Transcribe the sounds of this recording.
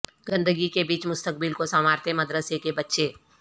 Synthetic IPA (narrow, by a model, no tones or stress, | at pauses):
ɡə̃nd̪əɡikebiːt͡ʃmʊst̪ək̚bɪlkosəmaːɾt̪emɐd̪ɾəsekebɐtːʃeː